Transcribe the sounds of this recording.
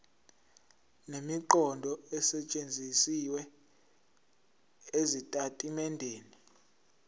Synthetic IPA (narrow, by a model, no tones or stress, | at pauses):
nemiǃɔndʱɔɛsɛt͡ʃʼend͡zʱisiwɛ | ezitʼatʼimɛndʱeːni